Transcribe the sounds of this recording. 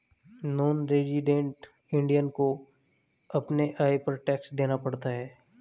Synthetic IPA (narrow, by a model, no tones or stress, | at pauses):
noːnɾed͡ʒiɖẽːɳʈ | ɪ̃ɳɖijənko | ɐpneʔaːipɐɾʈɛːksd̪eːnapɐɽt̪aɦɛː